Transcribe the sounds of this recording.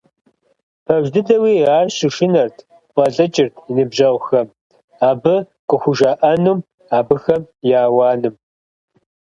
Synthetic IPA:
pʰɐʒdɨdɐwiːaːrɕɪʂɪnɐrtʰ | wʷʼɐɬʼɐt͡ʃʼɪrtʰinɨbʒɐʁʷxɐm | aːbɨ | qʼəxʷʊʒaːʔɐnuːm | aːbɨxɐmjaːwɑːnɨm

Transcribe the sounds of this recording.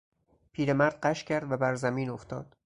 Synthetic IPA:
pʰiːɾe̞mæɾd̪̥̚ɢæʃcʰæɾd̪væbæɾzæmiːnoft̪ɒːd̪̥

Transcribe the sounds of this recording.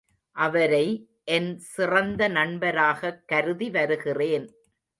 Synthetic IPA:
ʔɐʋɐɾɐɪ | ʔɛnsɪrɐnd̪ɐnɐɳbɐɾaːɣɐkːɐɾɯðiʋɐɾɯɣɪreːn

